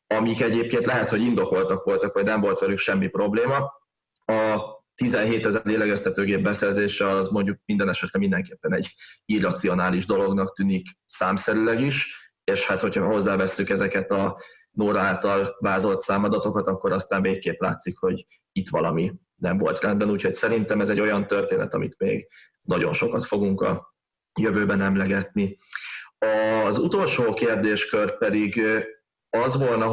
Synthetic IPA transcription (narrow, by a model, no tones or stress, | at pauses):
ɒmikɛɟeːp̚keːnt̪lɛɦɛt̪ho̞ɟind̪o̞ko̞lt̪ɒkʋo̞lt̪ɒkʋɒɟnɛɱvo̞lt̪ʋɛlykʃɛmːipro̞bleːmɒ | ɒt̪izɛnɦeːt̪ɛzɛɾleːlɛɡɛst̪ɛt̪øːɡeːb̚bɛsɛrzeːʃɛɒzmo̞ɲɟuk̚mind̪ɛnɛʃɛt̪lɛmind̪ɛŋkeːpːɛnɛ̰ɟirːɒt̪sio̞naːliʒd̪o̞lo̞ɡnɒk̚t̪yːniksaːmsɛɾylɛɡiʃ | eːʃhat̪ho̞cʰhɒho̞zːaːvɛsːykɛzɛkɛt̪ɒnoːɾɒaːlt̪ɒlvaːzo̞lt̪saːmɒd̪ɒt̪o̞kɒt̪ɒkːo̞ɾɒst̪aːnveːkːeːpla̰ːt̪sikho̞ɟ | it̪ʋɒlɒmi | nɛɱvo̞̰lt̪rɛnd̪bɛnuːcho̞ɟsɛɾint̪ɛmɛzɛɟːo̞jɒnt̪ørt̪eːnɛ̰t̪ɒmḭt̪mḛːɡ | nɒɟo̞̰nʃo̞kɒt̪fo̞ɡuŋkɒ̰ | jøvøːbɛnɛmlɛɡɛt̪ni | ɒzut̪o̞lʃoːkeːrd̪eːʃkør̚pɛd̪iɡ | ɒzʋo̞lnɒ